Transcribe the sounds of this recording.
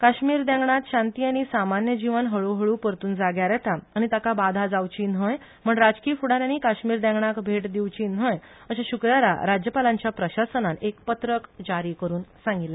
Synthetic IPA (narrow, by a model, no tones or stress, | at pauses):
kaɕmiːɾd̪ɛ̃ŋɡɳat̪ɕãnt̪iːañisamanjəd͡ʑiʋənɦəɭuɦəɭuːpəɾt̪uːnd͡zaɡjaɾjɛt̪aaɽ̃it̪akabad̪ʱad͡zawt͡ɕiːnɦə̃j | m̤əɳɾad͡ʑkiːfuɽaɾanikaɕmiːɾd̪ɛ̃ŋɡɳakbʱeʈd̪iwt͡ɕiːnɦəj | əɕaɕukɾaɾa̰ɾad͡ʑjəpalãɲt͡ɕjapɾəɕasənanekpət̪ɾəkd͡ʑaɾiːkəɾuːnsãŋɡitlːe